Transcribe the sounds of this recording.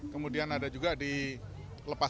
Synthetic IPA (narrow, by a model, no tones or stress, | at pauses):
kəmudianadad͡ʒuɡadi | ləpa